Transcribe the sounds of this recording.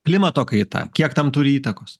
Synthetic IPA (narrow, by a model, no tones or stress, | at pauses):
pʲlʲɪmɐt̪oːkɐɪt̪ɐ̰kʲiɛkt̪ɐmt̪ʊɾʲɪiːt̪ɐkoːs